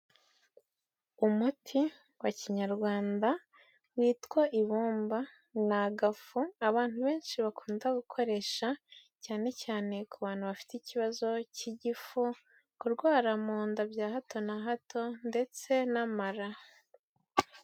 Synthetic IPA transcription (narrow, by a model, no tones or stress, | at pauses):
umutʰi | waciɲaɾɡwaːnda | wiːtkwaʔiβuːmba | naɡafuaβaːnhuβe̞ːnʃiβakʰuːndaɡukʰo̞ɾe̞ʃacaːne̞caːne̞kuβaːn̥huβafi̥teiciβazo̞ciɟifu | kuɾɡwaːɾamuːndabjaːhatʰo̞naɦatʰo̞nde̞t͡se̞namaɾa